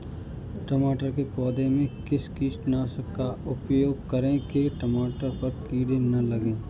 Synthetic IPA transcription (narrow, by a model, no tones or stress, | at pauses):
ʈɐmaːʈəɾkepɔːd̪ẽmẽkɪskiːsʈnasəkːaʊpjoːɡ̚kɐɾẽkeʈəmaːʈəɾpɐɾkiːɽẽnɐlɐɡẽː